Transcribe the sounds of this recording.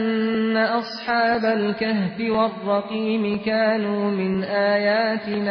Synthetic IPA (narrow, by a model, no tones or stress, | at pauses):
nːaʔɑsˤħɑːbalkahbɪwɑrˤːɑqiːmɪkaːnuːmɪnʔaːjaːt̪ɪna